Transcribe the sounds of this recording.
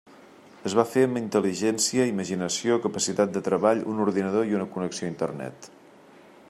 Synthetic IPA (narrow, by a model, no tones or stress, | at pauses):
əzβ̞afeəmint̪əliʒɛnsiəiməʒinəsiokəpəsit̪at̪̚d̪ət̪ɾəβaʎṵnuɾðinəðoiunəkunəksioint̪ə̰rnɛ̰t̪